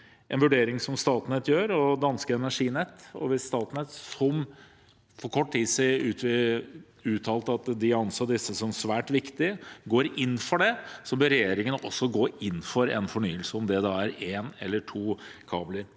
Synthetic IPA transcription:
ʔɛnʋʉɖeːɾɪŋsɔmst̪ɑːt̪nɛt̪ːjøːɾɔd̪ɑnskəɛnæʂiːnɛt̪ːɔ̰ʋɪsst̪ɑːt̪nɛt̪sɔm | fɔɾkʰɔʈːt̪iːsʉːt̪ɪ | ʉːt̪ʰɑːlt̪əɑt̪d̪ɪɑnsoːd̪ɪsːəsɔmsʋæːʈʋɪkt̪ɪɡoːɾɪnːfɔɖɛsɔbœɾɛjeːɾɪŋənəʔɔsːɔɡoːɪnːfɔɾɛ̰nfɔɳyːəlsəɔmd̪ɛd̪ɑːæɾeːnɛ̰lːəʈʰuːkʰɑ̰ːbləɾ

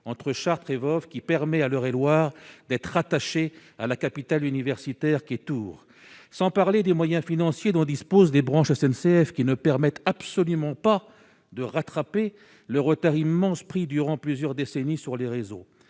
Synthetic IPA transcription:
ɑ̃t̪χəʃaʁt̪χevɔfkʲipɛʁmɛalœʁelwaːʁd̪ɛt̪χat̪aʃea̰lakapit̪alynivɛʁsit̪ɛʁkʲiɛt̪uːʁ | sɑ̃paʁled̪emwajɛ̃finɑ̃sjed̪ɔ̃d̪ispozlebʁɑ̃ʃɛsɛnseɛfkʲinəpɛʁmɛt̪apsɔlymɑ̃pa | d̪əʁat̪χape | ləʁət̪aʁimːɑ̃spχid̪yʁɑ̃plyzjœʁd̪esenisyʁleʁezo̰

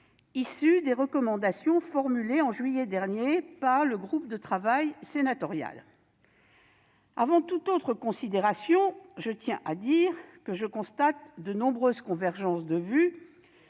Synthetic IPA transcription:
isyd̪eʁəkɔmɑ̃d̪asjɔ̃fɔʁmyleɑ̃ʒɥijɛd̪ɛʁnjepaʁləɡʁup̚d̪ət̪χavajsenat̪ɔʁja̰l | avɑ̃t̪ut̪ot̪χəkɔ̃sid̪eʁasjɔ̃ʒət̪jɛ̃ʔad̪iːʁkəʒəkɔ̃st̪at̪d̪ənɔ̃bʁøzkɔ̃vɛʁʒɑ̃sd̪əvy

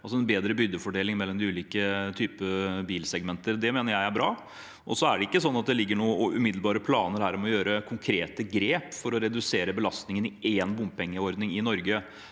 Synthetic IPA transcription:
ɑls̬ɔɛnbeːd̪ɾəbʏd̪ːəfɔɖeːlɪŋmɛlːɔmd̪ɪʉːliːkət̪ʰyːpəbiːlsɛɡmɛnt̪əɾd̪ɛmeːnəɾjæɪæbɾɑː | ʔɔsɔæɖɛɪkːəsɔnːɑt̪̚d̪ɛlɪɡːəɳuːəɔʔʉ̰mɪd̪lbɑːɾəpʰlɑːnəɾhæːɾmɛɔjøːɾəkʰʊŋkʰɾeːt̪əɡɾeːpfɔɾɔɾɛd̪ʉseːɾəbəlɑst̪nɪŋənɪʔeːnbʊmppɛŋːəɔɾd̪nɪŋɪnɔɾɡə

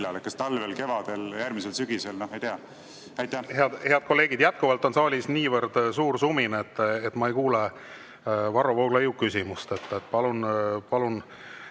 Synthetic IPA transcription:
lɑlekːˑɑst̪ɑlvelke̞vɑd̪̥eljæɾmiselsyɡ̥iselnohɑjt̪eɑ | æjt̪ːˑæheɑd̪he̞ɑd̪̚ko̞lːe̞ːɡ̥id̪̥jæt̪̚kuvɑlt̪ːˑo̞nsɑːlʲisniːvəɾd̪̥suːrsuminet̪ːet̪ːˑmɑe̞jkuːle | vɑɾovowɡ̥lɑjukːysʲimust̪et̪ːet̪ːˑpɑlunpɑlun

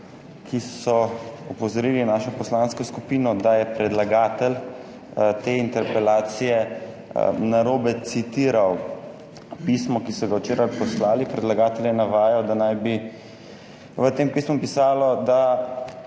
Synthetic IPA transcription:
kʰisɔɔpɔzɔɾiːlinaːʃɔpɔslanskɔskupiːnɔd̪ajɛpɾɛd̪laɡaːt̪ɛl | t̪eːint̪ɛɾpɛlaːt̪sijɛ | naɾoːbɛt̪sit̪iːɾaw | pismɔkisɔɡawt͡ʃeːɾajpɔslaːlipɾɛd̪laɡaːt̪ɛljɛnaʋaːjawd̪anajbi | ʋət̪eːmpiːsmumpisaːlɔd̪a

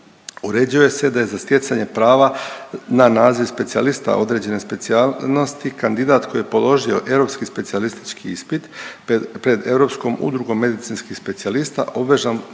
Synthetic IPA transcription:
uɾe̞d͡ʑuoje̞se̞d̪ajezast̪je̞t̪saɲe̞pɾaːʋananaːziʋspe̞t̪sia̰list̪a̰ʔo̞̰d̪ɾe̞d͡ʑe̞ne̞spe̞t̪sialno̞st̪ikand̪id̪aːt̪kʰojije̞po̞lˠo̞ʒio̞ʔe̞ʋɾo̞pskispe̞t̪sialist̪i̥t͡ʃkiispit̪ | pɾe̞d̪e̞vɾo̞psko̞mṵd̪ɾuɡo̞mːe̞d̪it̪sinskixspe̞t̪sialist̪a̰ʔo̞bʋeʒan

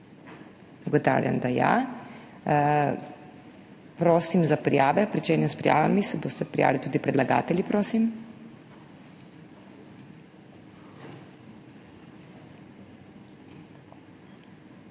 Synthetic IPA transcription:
uɡɔt̪a̰ːwlja̰nd̪aja̰ | pɾoːsimzapɾḭjaːʋɛpɾit͡ʃeːnjɛspɾija̰ːʋa̰misɛbost̪ɛpɾḭja̰ːʋlit̪uːd̪ipɾɛd̪laɡa̰ːt̪ɛlʲjipɾoːsim

